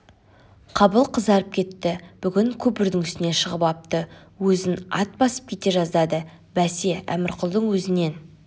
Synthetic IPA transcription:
qʰɑbəlˠqʰəzd̪ɑɾəp̚kʲʰe̞t̪ːɪb̥ʏɡʲɪŋkʲʰɵpɪɾd̪ɪŋʏst̪ɪne̞ʃəʁəpɑp̚t̪ə | wɵzɪnɑt̪̚bɑsə̥p̚kʲʰe̞t̪e̞ʒɑzd̪ɑd̪ə | bæse̞æ̰mɪɾqʰʊlˠd̪əɴwɵzɪne̞n

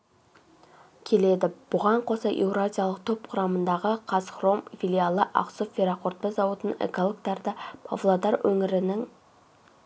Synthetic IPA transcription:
kʲʰe̞le̞d̪ɪb̥ʊʁɑɴqʰosɑʔewɾazʲijalˠəqt̪ʰop̚qʰʊɾɑmənd̪ɑʁəqʰɑsχro̞mfilʲialˠəʔɑ̰qsofʲiɾaqʰoɾt̪̚pezɑwut̪ənḛkolˠokt̪ɑɾd̪ɑpʰa̰vlˠod̪ɑɾwɵŋɪɾɪnɪŋ

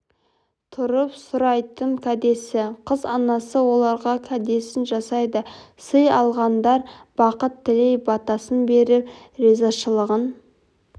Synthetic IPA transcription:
t̪ʰʊɾəpsʊɾɑjt̪əɴkʲʰæd̪e̞sɪqʰəzɑnɑsəwo̞lˠɑɾʁɑkʲʰæd̪e̞sɪnʒɑsɑjd̪əsəjɑlˠʁɑnd̪ɑɾb̥ɑqət̪ʰːɪlejbɑt̪ɑsənbe̞ɾɪp | ɾezɑʃəlˠəʁən

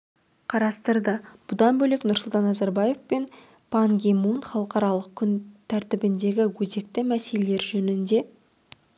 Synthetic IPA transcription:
qʰɑɾɑst̪əɾd̪əb̥ʊd̪ɑnbɵleknʊɾsʊlˠt̪ɑnːɑzaɾbɑje̞fpe̞n | pʰaŋɡʲemunχɑlˠəqɑɾɑlˠəq̚kʲʰʏnt̪ʰæɾt̪ɪbɪnd̪e̞ɡʲɪwɵze̞k̚t̪ɪmæse̞leleɾʒɵnɪnd̪e̞

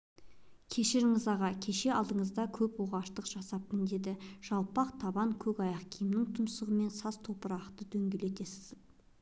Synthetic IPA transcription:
kʲʰe̞ʃɪɾɪŋɪzɑʁɑkʲʰe̞ʃe̞ɑlˠd̪əɴəzd̪ɑkʲʰɵpwoʁɑʃt̪əqʒ̥ɑsɑp̚t̪ənd̪e̞d̪ɪʒ̥ɑlˠpɑqt̪ʰɑbɑŋkʲʰɵkɑjɑqkʲʰijɪmnɪŋt̪ʰʊmsəʁəme̞nsɑz̥t̪ʰo̞pəɾɑqt̪əd̪̥ɵŋɡʲe̞le̞t̪e̞sɪ̥z

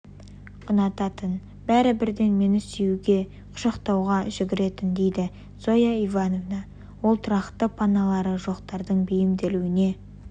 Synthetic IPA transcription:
qʰʊnɑt̪ɑt̪ən | bæɾɪbɪɾd̪e̞nme̞nɪsejuɡʲe̞ | qʰʊ̥ʃɑqt̪ɑwʁɑʒɪɡʲɪɾe̞t̪ɪnd̪e̞jd̪ɪ | z̥o̞jɑivɑno̞vnɑ | wo̞lˠt̪ʰʊɾɑχt̪ːəpʰɑnɑlˠɑɾəʒo̞qt̪ɑɾd̪əɴbʏjɪmd̪e̞luɪne̞

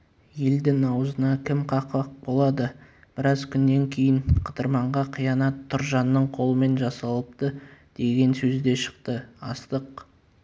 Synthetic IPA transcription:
je̞ld̪ɪŋɑwəzənɑkʲʰɪmqʰɑqəq̚bo̞lˠɑd̪ə | b̥ɪɾɑzkʲʰʏnːe̞ŋkʲʰe̞jɪɴqʰəd̪əɾmɑɴʁɑqʰijɑnɑt̪ʰːʊɾʒɑnːəɴqʰo̞lˠəme̞nʒɑsɑlˠəp̚t̪əd̪̥e̞ɡʲe̞nsɵzd̪e̞ʃə̥qt̪əɑ̰st̪əq

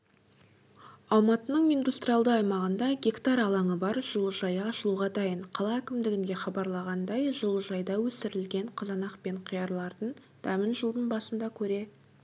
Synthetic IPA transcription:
ɑlˠmɑt̪ənəɴijnd̪ust̪rijɑlˠd̪əɑjmɑʁənd̪ɑɡʲe̞kt̪ɑɾɑlˠɑɴəbɑɾʒ̥əlˠəʒɑjɑɑʃəlˠuʁɑd̪ɑjəɴqʰɑlˠɑækʲɪmd̪ɪɡʲɪnd̪e̞χɑbɑɾlˠɑʁɑnd̪ɑjʒəlˠəʒɑjd̪ɑwɵsɪɾɪlɡʲe̞ɴqʰɑzɑnɑqpe̞ɴqʰijɑɾlˠɑɾd̪əɴ | d̪̥æmɪnʒəlˠd̪ənbɑsənd̪ɑkʲʰɵɾe̞

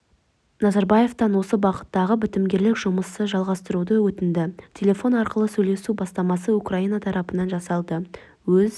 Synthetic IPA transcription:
nɑzɑɾbɑje̞ft̪ɑnwo̞səbɑqə̥t̪ːɑʁəbɪt̪ɪmɡʲe̞ɾlɪkʒ̥ʊməsəʒɑlˠʁɑst̪əɾud̪əwɵt̪ɪnd̪ɪt̪ʲʰe̞lʲe̞fo̞nɑɾqəlˠəsɵjle̞subɑst̪ɑmɑsəukraijnɑt̪ʰɑɾʔɑpənɑnʒɑsɑlˠd̪ə | wɵz

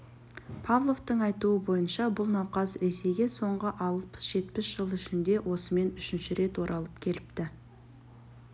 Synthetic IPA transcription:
pʰavlˠo̞vt̪əɴɑjt̪uəbo̞jənʃɑbʊlˠnɑwqɑzɾe̞se̞jɡʲe̞so̞ɴʁəʔɑl̚ˠpə̥sʒ̥e̞t̪pɪsʒ̥əlˠɪʃɪnd̪e̞wʔo̞səme̞nʏʃɪnʃɪɾe̞t̪wo̞ɾʔɑlˠəp̚kʲʰe̞lɪpt̪ɪ

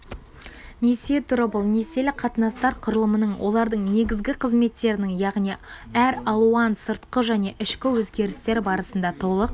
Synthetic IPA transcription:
nese̞t̪ʰʊɾəbʊlˠne̞se̞lɪqʰɑt̪ənɑst̪ɑɾqʰʊɾəlˠəmənəɴwʔo̞̰lˠɑɾd̪əɴne̞ɡʲɪzɡʲɪqʰəzme̞t̪ːe̞ɾɪnɪŋjɑʁnij | æɾɑlˠuɑnsəɾt̪qəʒæne̞ʔɪʃkʲɪwɵzɡʲe̞ɾɪst̪e̞ɾbɑɾəsənd̪ɑt̪ʰo̞lˠəq̚

